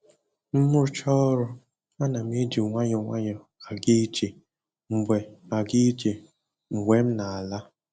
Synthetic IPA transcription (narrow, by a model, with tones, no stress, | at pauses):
m̩˦mʊ˦ɾʊ˦t͡ʃɔ˦ɾʊ˦ | a˦na˨m˦e˦d͡ʒi˨ŋʷa˦ɲʊ˨ŋʷa˦ɲɔ˨ | a˨ɡi˦d͡ʒe˨ | ŋ͡m̩˨ɡ͡be˨a˨ɡi˦t͡ʃe˨ | ŋ͡m̩˨ɡ͡bʷe˨m̩˦na˨a˨la˦